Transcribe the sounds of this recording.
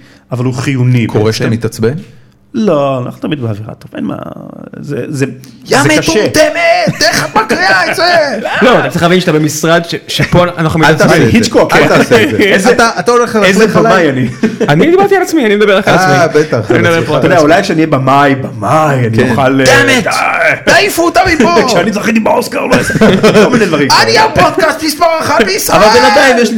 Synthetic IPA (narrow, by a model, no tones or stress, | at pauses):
avaluχijunikoʁeʃt̪amit̪at͡sben | loana̰χnut̪amit̪beaviʁa̰t̪ofḛnma̰zezeɡameekaʃoet̪emed̪eχaakʁiait͡seloat̪at̪t͡saʁiχlavinʃat̪abemisʁad̪ʃeʃepoanaχnumit̪aaehit͡ʃkoktaset̪aat̪aoleχaezebamamajanianid̪ibaʁt̪ialat͡smianimed̪abe̞ʁaχalaasmibet̪aχimed̪ɐbepod̪k̪oad̪eaulajkʃeaniebamajbamajaniχaldametd̪ajfut̪amioʃeanit͡sχlit̪imbaoskaʁloolmined̪vaʁimaniapod̪̚kast̪mispaʁaχabesavalbevad̪ajimjeʃli